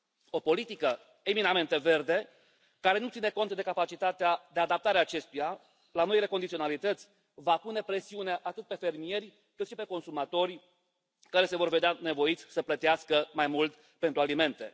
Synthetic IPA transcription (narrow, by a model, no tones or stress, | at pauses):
o̞po̞lit̪ikə | eminame̞nt̪e̞ve̞rd̪e̞ | kaɾe̞nut̪sineko̞nt̪d̪e̞kapat͡ʃit̪at̪ead̪e̞ad̪ap̚t̪aɾeaːt͡ʃe̞st̪uja | lano̞ile̞ko̞nd̪it̪io̞nalit̪ət̪sʲ | vapune̞pɾe̞siuneaʔat̪ɨt̪̚pe̞fe̞rmije̞rʲ | kɨt̪ʃipe̞ko̞nsumat̪o̞rʲ | kaɾe̞se̞vo̞rve̞d̪eane̞vo̞it̪sʲsəplət̪iaskəmajmult̪ | pent̪ɾualime̞nt̪e̞̰